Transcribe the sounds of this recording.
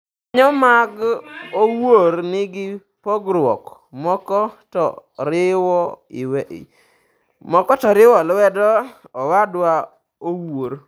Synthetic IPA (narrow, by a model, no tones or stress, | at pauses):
ɲɔmaɡowoɾnɪɡɪ | pɔɡɾwɔk | mɔkɔtɔ̰ɾɪwɔɪ̰wɛʔḭ | mɔkɔtɔɾɪwɔlwɛdɔ | ɔwadwa | owoɾ